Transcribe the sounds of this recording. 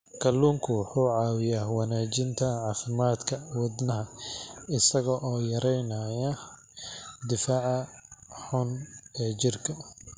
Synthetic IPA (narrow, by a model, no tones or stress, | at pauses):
kʰɐlːuːŋkʰʊwʊħuːʕɑːwɪjaːwɑnaːt͡ʃɪnt̪ʰɐʕɑːfɪmaːd̪kʰɐwɑd̪nɐɦɐɪsɐɣɐʔɔːjɐɾɛjnɐjɐ | d̪ɪfaːʕɐħʊnɛːt͡ʃɪrkʰɐ